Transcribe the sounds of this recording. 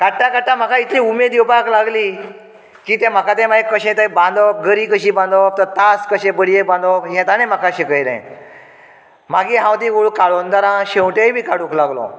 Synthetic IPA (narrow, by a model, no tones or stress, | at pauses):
kaʈːãkaʈːãm̤akait̪ʰliumed̪iwpaklaɡliː | kiːt̪ɛ̃m̤əkat̪ɛ̃maɦekːəɕẽt̪ajbãnd̪ap̚ɡəɾiːkəɕiːbãnd̪ap̚t̪əɾt̪askəɕẽbəɽiek̚bãnd̪aɦɛ̃t̪anem̤akaɕekəjɾã̰ | maɡiɦãwt̪ĩɡuɭkaɭond̪aɾãɕewʈejbʱiːkaɽuklaɡlɔ̰